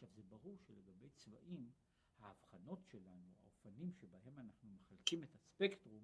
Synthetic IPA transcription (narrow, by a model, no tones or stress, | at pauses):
ʃavzebaʁuʁʃeleɡabe̞jt͡sva̰ʔim | haːvχano̞tʃe̞lanua̰ofanimʃe̞baɦe̞manaχnumeχalkimetaspektʁum